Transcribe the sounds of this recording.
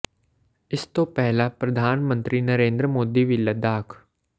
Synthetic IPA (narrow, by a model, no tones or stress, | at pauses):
ɪst̪opɛɦlapɾɐd̪ʱaːnmə̃nt̪ɾinɐɾẽːnd̪ɾəmoːd̪iʋɪlːad̪aːkʰ